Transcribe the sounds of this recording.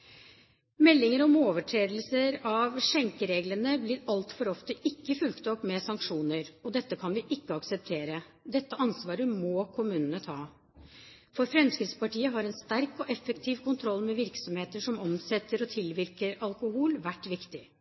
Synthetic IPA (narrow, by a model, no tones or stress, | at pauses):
mɛlːɪŋəɾɔmoːʋəʈʰɾeːd̪əl̩səɾɑʋʂɛŋkəɾeːɡlənəblɪɾɑlt̪fɔɾɔft̪əʔɪkːəfʉlkt̪ɔpmɛsɑŋkʂuːnəɾɔd̪ɛt̪ːəkʰɑnʋɪʔɪkːəɑksəp̚t̪ʰeːɾə | d̪ɛt̪ːəʔɑnsʋɑːɾəmoːkʰʊmʉːnənət̪ʰɑː | fɔɾfɾɛmskɾɪt̪spɑʈiːəɦɑɾɛnst̪æɾkɔʔɛfːəkt̪ʰiːʋkʊnt̪ʰɾɔlːmɛʋɪɾksɔmheːt̪əʂɔmɔmsɛt̪ːəɾɔt̪ʰɪlʋɪɾkəɾɑlkʊhuːlʋæʈːʋɪkt̪ɪ